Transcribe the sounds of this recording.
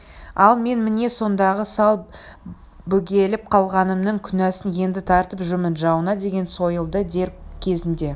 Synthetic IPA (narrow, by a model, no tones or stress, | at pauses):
ɑlˠme̞nmɪne̞so̞nd̪ɑʁəsɑlˠ | bɵɡʲe̞lɪp̚qʰɑlˠʁɑnəmnəŋkʲʰʏnæsɪnje̞nd̪ɪt̪ʰɑɾt̪əpʒʏmɪnʒɑwənɑd̪e̞ɡʲe̞nso̞jəlˠd̪əd̪e̞ɾkʲʰe̞zɪnd̪e̞